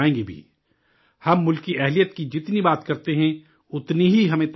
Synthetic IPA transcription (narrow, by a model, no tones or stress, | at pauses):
ẽːɡibʱḭ | hɐmːʊlkiʔɛɦlijət̪kid͡ʒɪt̪nibaːt̪kɐɾt̪eɦɛ̃ | ʊt̪niɦiɦɐmẽt̪